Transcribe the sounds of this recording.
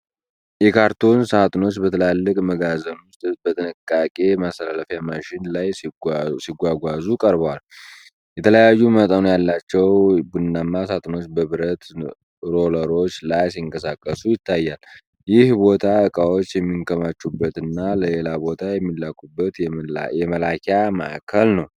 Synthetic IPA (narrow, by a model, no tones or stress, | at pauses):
jɛkʰaɾt̪ʰo̞nsat̪ʼno̞t͡ʃːbət̪ʰəlalːɨkʼməɡazəmʊst̪ʼbət̪ʼɨnɨkʼːakʼe̞masəlaləfjamaʃɪnlajsiɡʷaɡʷazukʼəɾbəwal | jɛt̪ʰələjajːumət̪ʼənujalːat͡ʃːɛwbɨnːamːas̬at̪ʰʼɨno̞t͡ʃːbəβɨɾət̪ | ɾo̞ləɾo̞t͡ʃːlajs̬iɨŋkʼəsakʼːəsujɪt̪ʰːajːal | jɪhbo̞t̪ʰaɨkʼawot͡ʃːjɛmːiŋkʰəmat͡ʃːubːət̪ɨnːaləle̞labo̞t̪ʰajɛmːilːakʰʼubːət̪jɛməlakʰama̰ʔkʰəlnəw